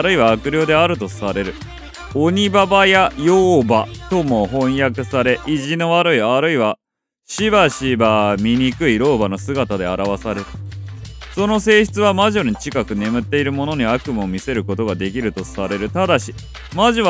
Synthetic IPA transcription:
ɾɯ̟iβaːkɯ̟ɾʲjo̞ːd̪e̞aɾɯ̟t̪o̞saɾe̞ɾɯ̟ | oɲ̟ibabajajoːbat̪o̞mo̞ɦõ̞ɰ̃jakɯ̟saɾe̞ʔiʑino̞βaɾɯ̟iaɾɯ̟iβa | ɕibaɕibamʲiɲ̟ikɯ̟iɾo̞ːbano̞sɨɡat̪ad̪e̞aɾaβasaɾe̞ɾɯ̟ | so̞no̞se̞ːçi̥t͡sɨβamaʑo̞ɲ̟it͡ɕikakɯ̟ne̞mɯ̟t̪ːe̞iɾɯ̟mo̞no̞ɲ̟iakɯ̟mɯomʲise̞ɾɯ̟ko̞t̪o̞ɡad̪e̞kʲiɾɯ̟t̪o̞saɾe̞ɾɯ̟t̪ad̪aɕi | maʑiβ

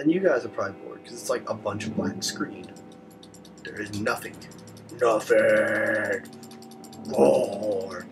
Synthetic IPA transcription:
ɨ̃njɨɡaɪzəpʰɹ̥ãɪ̃dbʰɔ̰ɹ̚kʰʌzɨtslaɪkəbʌ̃nt͡ʃʌvmãɪ̃ŋskɹĩn | ðə˞ɨznʌθɪ̃ŋ | nʌθə | ɔ

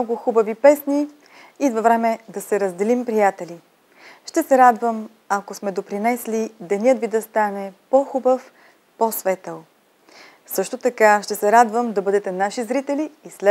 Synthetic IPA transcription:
nɔɡʊxubɐvipɛsni | ivɐvɾɛmɛd̪ɐsɛɾəzd̪ɛlimpɾijat̪ɛli | ʃt̪ɛsɛɾad̪vəm | ɐkosmɛd̪opɾinɛslid̪ɛniɤt̪vid̪ɐst̪anɛpoxubəf | posvɛt̪əlˠ | sɤʃt̪ot̪ɐkaʃt̪ɛsɛɾad̪vəmd̪ɐbɤd̪ɛt̪ɛnaʃizɾit̪ɛliːslɛ

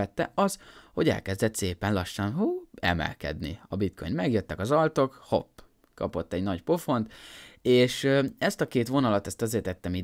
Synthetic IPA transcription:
ɛt̪ːɛ̰ɒzho̞ɟɛ̰lkɛzd̪ɛt̪seːpɛnlɒʃːɒnhuːɛ̰mɛ̰lkɛ̰d̪nḭɒbit̪kʰo̞jnmɛɡjøt̪ːɛkɒzɒlt̪o̞kho̞̰pː | kɒ̰po̞t̪ːɛɟnɒɟpo̞fo̞nt̪eːʃɛst̪ɒkeːt̪ʋo̞nɒlɒt̪ɛst̪ɒzeːrt̪ɛt̪ːɛmi

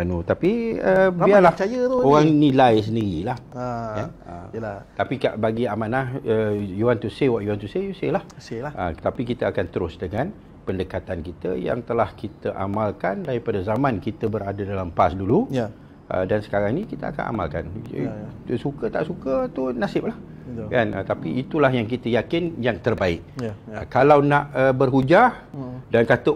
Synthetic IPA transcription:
anut̪apiəbialat͡ʃajət̪uoɣaŋnĩlajs̬əndiɾilahaaə̰əlat̪apikaʔbaɡiamanahəjuant̪usewaʔjuant̪useuselahselaʔəkət̪apikit̪əakant̪əɾʊsdəŋan | pəndəkat̪ankit̪ə̰ja̰ŋt̪əlahkit̪əʔamalkandaɾipadazamãnkit̪əbəɾadadalampasdulu | ə̰dansə̥kaɾaŋnĩkit̪əa̰ka̰na̰ma̰lka̰n | sukət̪a̰ʔsukət̪unasɪp̚lah | kanət̪apiʔːt̪ulahjaŋkit̪əjakɪnjaŋt̪ərbaɪʔ̚əkalawnaʔəbərɦud͡ʒadankat̪ə

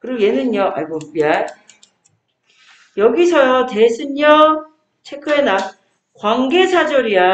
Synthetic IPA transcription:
kɯɾiɡjenɯnɲʌʔa̰ɭɡopiaj | jʌɡisʰʌjʌtesʰɯnːʌ | t͡ɕʰekʰɯena | kwaŋɡe̞sʰad͡ʑʌɾia

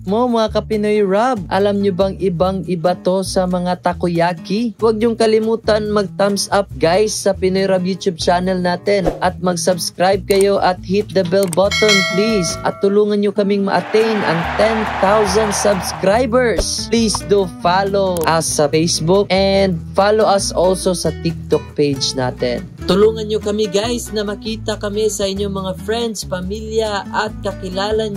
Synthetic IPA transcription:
momɐŋakɐpɪnojɹab̚ʔɐ̰lamɲʊbɐŋʔɪbaŋʔɪbat̪o̞sɐmɐŋat̪ɐkʊjaːkiwɐɡ̚ɲʊŋkɐlɪmuːt̪ɐnmɐɡ̚t̪amsap̚ɡajsːɐpɪnojɾabjuːt̪jub̚t͡ʃaːnɛlnaːt̪ɛnʔɐt̪̚mɐɡsɐbskɾajb̚kɐjo̞ʔɐt̪̚hit̪̚d̪ɐbɛlbat̪onplisɐ̰t̪ʊluːŋɐnɲokɐmɪŋmɐ̰ʔɐt̪ɛjnʔɐ̰ŋt̪ɛnt̪awsɐnd̪sɐbskɾajbɛɹslisd̪ufaːloʔɐsːɐfejsbʊkʔɛnd̪̚faːloʔɐsʔolsosɐt̪ɪk̚t̪ok̚pejd͡ʒna̰ːt̪ɛ̰n | t̪ʊluːŋɐnɲokɐmiɡajsnɐmɐkiːt̪ɐkɐmɛsɐʔɪɲːoŋmɐŋafɹɛnd̪spɐmiljɐʔɐt̪̚kɐkɪlaːlɐn

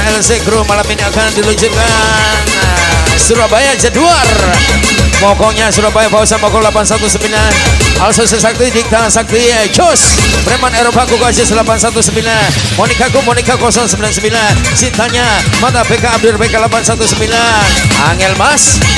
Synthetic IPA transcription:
ɛlseɡɾumalaminiakandiluɲd͡ʒʊt̪̚kan | suɾabajad͡ʒaduar | mɔkɔɲasuɾabajafausamɔkɔlapansat̪usəmbilanalsɔsəsak̚t̪idik̚t̪aŋsak̚t̪iad͡ʒospɾemaneɾopakukasisəlapansat̪usəmbilanmonikakumonikakɔsɔŋsəmbilansəmbilansint̪aɲamat̪abekaːb̚dʊrbekalapansat̪usəmbilana̰ŋɛlmas

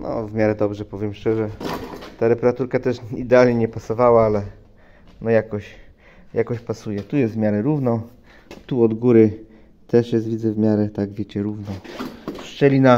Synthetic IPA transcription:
nɔ̰vmʲjaɾɛd̪ɔbʐɛpɔvʲjɛmʂt͡ʂɛʐɛt̪aɾɛpɛɾat̪uɾkat̪ɛʂid̪ɛalɲɛɲɛpasɔvawaalɛ | nɔjakɔɕ | jakɔɕpasujɛt̪ujɛst̪vmʲjaɾɛɾuvnɔ | t̪uɔd̪ɡuɾɘ | t̪ɛʂjɛst̪vʲidzɛvmʲjaɾɛt̪aɡvʲjet͡ɕɛɾuvnɔ̃ʂt͡ʂɛlʲina

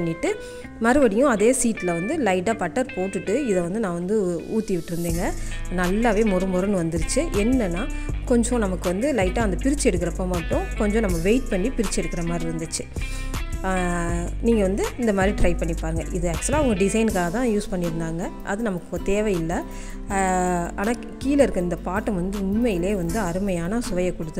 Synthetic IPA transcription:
ɐɳːɪʈːɯ | mɐɾɯʋɐɽɪjʊ̃ɐðeːsiːʈːlɐʋɐnd̪ɯlɐɪʈːaːpɐʈːɐɾpoːʈːɯʈːɯɪðɛʋɐnd̪ɯnãːʋɐnd̪ɯuːt̪ːiʋɪʈːɪɾɯnd̪eːŋɡɐnɐlːaːʋeːmʊɾɯmʊɾɐnɯʋɐnd̪ɯɾɯt͡ʃːɯʔɛnːɐnːaːkɔɲd͡ʒõnɐmɐkːɯʋɐnd̪ɯlɐɪʈːãːɐnd̪ɐpɪɾɪt͡ʃːɛɽɯkːɪɾɐpːoːmaːʈːõkɔɲd͡ʒõːnɐmːɐʋeɪʈ̚pɐɳːipɪɾɪt͡ʃːɛɽɯkːɪɾɐmaːd̪ɾiʋɐnd̪ɯt͡ʃːɯ̥ | niːŋɡɐʋɐnd̪ɯɪnd̪ɐmaːd̪ɾiʈɾɐɪpɐɳːipːaːɾɯŋɡɐʔɪðɯɛk̚t͡ʃːlaːʋɐŋɡɐɖɪsɐɪnkaːɣɐt̪ãːjuːspɐɳːɪɾɯnd̪aːŋɡɐʔɐðɯnɐmɐkːɯot̪eːʋɐjɪlːɐ | aːnaː | kiːlɐɪɾɯkːɯɪnd̪ɐpaːʈːɐmʋɐnd̪ɯʊnmɐjɪleːʋɐnd̪ɯɐɾɯmɐjaːnɐsʊʋɐjɐkːɔɽɯt̪ːɯ

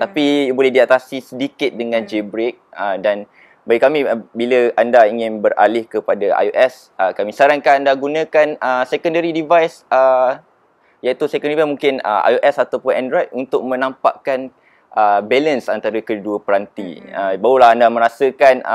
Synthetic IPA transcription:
t̪apijbolɛhdiat̪asisədikɪt̪̚dəŋãnd͡ʒebɾek̚ədan | baɡikamibiləandaiŋɪ̃nbəɾʔa̰lɪhkəpadaa̰joʔɛs | ʔəkamisaɾaŋkaandaɡunãkanəsɛkɔndəɾidivajsə | jait̪usɛkɔndivamuŋkɪnə̰ʔa̰joʔɛsat̪awpʊnɛ̃ndɾɔjt̪̚unt̪ʊk̚mə̃nãmpa̰ʔkan | ʔəbɛlənsant̪aɾəkəduəpəɾant̪ḭəbaulaɦandamə̃ɾasəkan̰

